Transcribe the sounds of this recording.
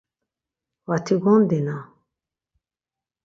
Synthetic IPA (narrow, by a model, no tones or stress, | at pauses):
wat̪ʰiɡɔnd̪ina